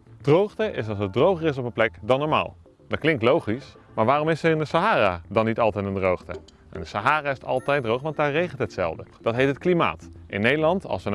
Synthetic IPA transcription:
d̥rowχtəʔɪsɑlˠsət̚drowχərɪs̬ɔpənplɛkdɑnːɔːɹma̰ːlˠ | dɑtklɪŋk̚tlowχis | maːɹʋaːrɔmɪsəɪndəsaɦaːradɑnitɑlˠtɛjtəndrowχtə̰ | ʔɛ̰ndəsaɦaːraːɪstɑ̰lˠtɛjt̚drowχʋɑntdaːɹrejχəntɦətsɛ̰lˠvdəd̥ɑtɦejtɦətklima̰ːtʔɪ̰nːejdəlɑntɑ̰lˠsən

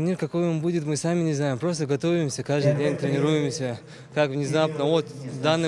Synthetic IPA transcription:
nʲirkɐko̞jombudʲɪt̪mɨsamʲɪnʲɪznajɪmpɾo̞st̪əɡɐt̪o̞vʲɪmsʲəkaʐd̪ɨdʲenʲt̪ɾʲɪnʲɪɾujɪmsʲə | kakvnʲɪzapnəot̪d̪anːɨ

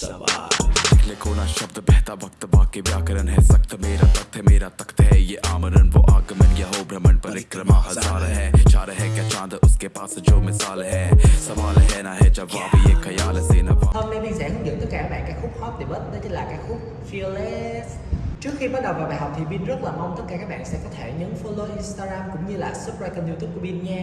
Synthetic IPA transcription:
ɪklekʰoːnaʃɐb̚d̪bɛːt̪avɐk̚t̪vaːkebijaːkəɾənɦɛsɐk̚t̪meːɾat̪ɐk̚t̪ʰɛmeːɾat̪əkt̪ɦɛjeʔaːmənənvoʔaːɡəmənjɐɦobʱɾɐmənpɐɾɪkɾəmaɦɐaːɾəɦɛt͡ʃaːɾəɦɛkjat͡ʃãːnt̪əʔʊskepaːsd͡ʒoːmɪsaːlɦɛːsəmaːlɦɛnaɦɛt͡ʃaabijekʰəjaːlseːnahəːmnajɓaŋza̰hɨŋzə̰ɨ̰ŋt̪ət̚kaːkːaːɓa̰ːkaːjxʊp̚hɔt̚ɗeɓət̚nət͡ɕəlaːkaːxʊp̚ | file | t͡ɕɨəkxiɓaːt̚ɗəwvaːwɓaːjɦk͡p̚t̪ʰiɓiənzət̚laːmawŋ͡mt̪ət̚kaːkaːk̚ɓa̰ːnsɛ̰kɔt̪ʰeɲənfoloʔinst̪aːɣaːmkʊ̰ŋ͡mɲɨlaːsʊp̚zaːjkənjut̪up̚kuəɓiənɲaː

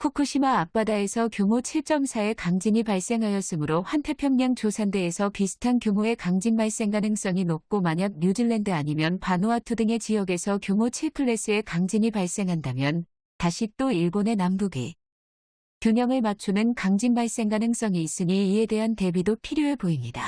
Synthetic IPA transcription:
kʰukʰuɕʰimaːk̚p͈adae̞sʰʌkjomot͡ɕʰiɭt͡ɕ͈ʌmsʰae̞kaŋd͡ʑiɲipaɭs͈e̞ŋɦajʌs͈ɯmɯɾoɸwantʰe̞pʰjʌŋɲaŋt͡ɕosʰande̞ːsʰʌpisʰɯ̥tʰankjomoe̞kaŋd͡ʑiŋbaɭs͈e̞ŋɡanɯŋs͈ʌŋinok̚k͈omaɲak̚ɲud͡ʑiɭːendɯaɲimjʌnpanoatʰudɯŋe̞t͡ɕijʌɡe̞sʰʌkjomot͡ɕʰiɭpʰɯɭːe̞s͈ɯe̞kaŋd͡ʑiɲipaɭs͈e̞ŋɦandamjʌn | taɕʰit͈oiɭɡone̞nambuɡi | kjoɲʌŋɯɭmat͡ɕʰunɯnkaŋd͡ʑinbaɭs͈e̞ŋɡanɯŋs͈ʌŋiːs͈ɯɲiːe̞de̞ɦante̞bidopʰiɾjoepoimɲida

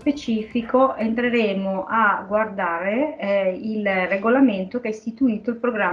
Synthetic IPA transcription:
pet͡ʃiːfikoʔent̪ɾeɾeːmoʔaɡward̪aːɾe | ilreɡolament̪ok̟eɛst̪it̪uiːt̪oilpɾoɡɾa

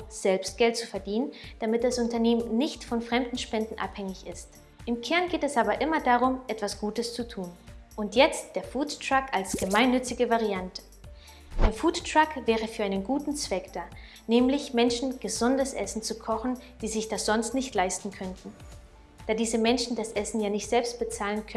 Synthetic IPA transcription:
z̥ɛlpstɡ̥ɛlt̚t͡sufɛɐdiːnənd̥amɪt̚d̥asʊntɐneːmənnːɪçtfɔnfʁ̥ɛmdn̩ʃpɛndn̩ʔa̰phɛŋɪçɪst | ʔɪmkʰɛɐnɡeːtɛsʔaːbɐʔɪmɐdaːʁʊmʔɛtv̥asɡ̥uːtəst͡sutʰuːnʔʊntjɛt͡std̥eːɐfuːttʁ̥akalsɡ̥əmaɪnːʏt͡sɪɡəvaʁiantə̥ | d̥eːɐfuːttʁ̥akv̥ɛːʁəfyːɐaɪnənɡuːtn̩t͡sv̥ɛkd̥aː | nɛːmlɪçmɛnʃn̩ɡ̥əzʊndəsʔɛ̰sn̩t͡sukʰɔχn̩d̥iːzɪçd̥asz̥ɔnstnɪçtlaɪstn̩kʰœntn̩ | d̥aːdiːzəmɛnʃn̩dasʔɛsn̩jaːnɪçtz̥ɛlpst̚b̥ət͡saːlənkʰœ

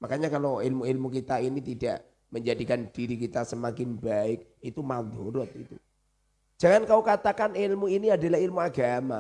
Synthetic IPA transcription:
makaɲakaloɪlmuɪlmukit̪ainit̪ida̰ʔ | məɲd͡ʒadikand̥iɾikit̪asəmakɪnbaɪk̚it̪umad̪oɾɔt̪̚it̪ṵ̥ | d͡ʒ̥aŋankaukat̪akanɪlmuiniadalahilmuaɡama̰

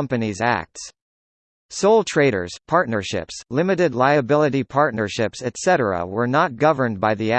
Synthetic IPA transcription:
mpɨnizæ̰k̚ts | soʊlˠtʰɹ̥eɪɾə̰˞z̥pʰɑɹtⁿnə˞ʃɪ̰pslɪ̃mɨɾɨdˡlaɪɨbɪlˠəɾipʰɑɹtⁿnə˞ʃɪpsɨtsɛɾə˞ə̰wə˞nət̚ɡ̥ʌvə˞nbaɪðiæ

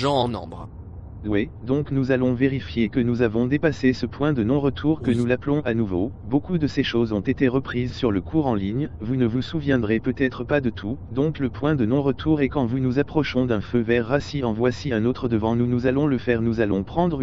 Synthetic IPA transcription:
ʒɑ̃ɑ̃nɔ̰̃bʁ | wɛd̪ɔ̃knuzalɔ̃veʁifjekənuzavɔ̃d̪epasesəpwɛ̃d̪ənɔ̃ʁət̪ʰuʁkənulaplɔ̃anuvobokud̪əseʃozɔ̃t̪et̪eʁəpχizsyʁləkʰuʁɑ̃liɲvunəvusuvjɛ̃d̪ʁepøt̪ɛt̪χəpad̪ət̪ʰud̪ɔ̃kləpwɛ̃d̪ənɔ̃ʁət̪ʰuʁɛkɑ̃vunuzapχɔʃɔ̃d̪ɛ̃føvɛʁːasiɑ̃vwasiɛ̃not̪χəd̪əvɑ̃nunuzalɔ̃ləfɛʁnuzalɔ̃pχɑ̃d̪ʁ

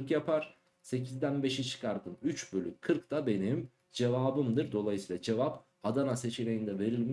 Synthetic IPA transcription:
kjapʰaɾ̥ | se̞cʰizd̪ænbe̞ʃit͡ʃʰɯ̥kʰaɾd̪ɯmyt͡ʃbølʲykʰːɯɾkt̪ʰabe̞nim | d͡ʒe̞vaːbɯmd̪ɯɾd̪o̞lˠajɯsiːlˠad͡ʒe̞vap | ad̪anase̞t͡ʃʰine̞jind̪ɛve̞ɾilʲm

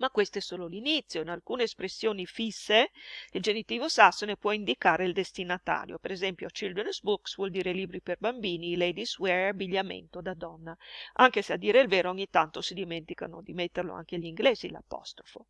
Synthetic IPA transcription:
makːwest̪oɛsoːlolinit̪sːjoinalkuːneːspɾesːjoːnifisːeild͡ʒenit̪iːvosasːonepwɔind̪ikaːɾeild̪est̪inat̪a̰ːɾjo̰peɾezɛmpjot͡ʃild̪ensbuksvwɔld̪iːɾeliːbɾiperbambiːnilɛjd̪iswɛɾabːiʎːamḛnt̪od̪ad̪ɔnːaʔaŋkesead̪iːɾeilveːɾooɲːit̪ant̪osid̪iment̪ika̰no̰d̪imet̪ːerlo̰a̰ŋkeʎiŋɡleːzila̰pɔ̰st̪ɾofo

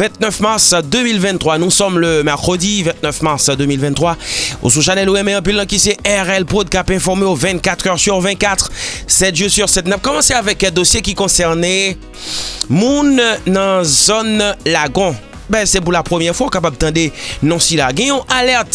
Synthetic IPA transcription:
vɛ̃t̪̚nœfmaʁsd̪ømilvɛ̃nt̪χwanusɔmləmɛʁkχəd̪ivɛ̃t̪̚nœfmaʁsd̪ømilvɛ̃nt̪χwao̰sũʃanɛloɛmɛ̃ɑ̃p̬ilːɑ̃kisɛʔɛʁɛlpod̪̚kapɛ̃fɔʁmeovɛ̃t̪̚kat̪χœʁsyʁvɛ̃t̪̚kat̪χsɛt̪ʒøsyʁsɛt̪̚nap̚kɔmɑ̃seavɛkɛ̃d̪osjekʲikɔ̃sɛʁnɛ | mũnːɑ̃zonlaɡɔ̃ | bɛ̃sɛp̬uʁlapχəmjɛʁfwaɔ̃kapab̚t̪ɑ̃d̪enɔ̃silaɡɛ̃jɔ̃ʔalɛʁt̪

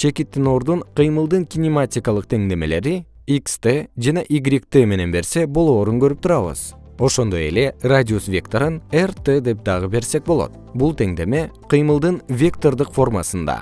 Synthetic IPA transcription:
t͡ʃʰe̞kit̪ːino̞ɾd̪uɴqʰɨjmɯlˠd̪ɯŋkʲinʲimatʲijkɑlˠɯq̚t̪ʰe̞ŋd̪e̞me̞le̞ɾi | ikst̪ed͡ʒɑneʔiɡɾʲikt̪eme̞ne̞nbe̞ɾse̞bo̞lˠo̞ːɾuŋɡøɾyp̚t̪ʰuɾɑβɯ̰z | o̞ʃo̞nd̪o̞je̞̰le̞radʲiosvʲe̞kt̪oɾɯnert̪ed̪e̞p̚d̪ɑʁɯbe̞ɾse̞k̚bo̞lˠo̰t̪̚ | bulˠt̪ʰe̞ŋd̪e̞me̞qʰɨjmɯlˠd̪ɯnvʲe̞k̚t̪o̞rd̪ɯqfo̞rmasɯnd̪ɑ̰

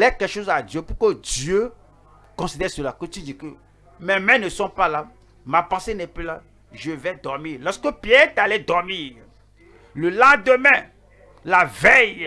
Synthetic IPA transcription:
lɛkɛʃozad̪jøpukodjø | kɔ̃sid̪ɛsølakot̪id͡ʒikə | mɛ̃mɛ̃nesɔ̃pala | mapãsenɛplila | ʒəvɛd̪ɔmilɔskəpiɛt̪alɛd̪ɔɾmiː | ləlãd̪əmɛ̃ | lavɛj

